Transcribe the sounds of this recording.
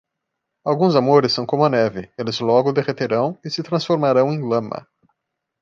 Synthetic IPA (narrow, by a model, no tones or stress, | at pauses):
awɡũzamoɾɪsːɐ̃w̃kõmʊɐnɛvɪelɪzlɔɡʊd̪eʁet̪eɾɐ̃w̃ɪsɪt̪ɾɐ̃sfoɾmaɾɐ̃w̃ẽj̃lɐ̃mɐ̰